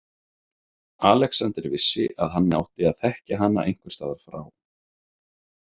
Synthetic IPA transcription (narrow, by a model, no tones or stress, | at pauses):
aːlɛksant̪ɾvɪsːɪʔaðɦanːa̰wt̪ɪaðθɛhcaɦanːa̰ʔejŋ̥kvʏ̥st̪aːðaɾ̥fɾa̰ːw